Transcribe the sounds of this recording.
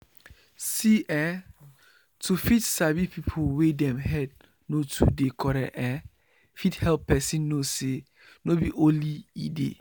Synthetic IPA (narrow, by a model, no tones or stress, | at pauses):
siʔɛ | tʰufitsabipʰipʰowedɛ̃mɦɛd̚ | notʰṵdekʰɔɾa̰ʔɛ | fithɛlpːɛsĩnːose | nobiʔõliḭdḛ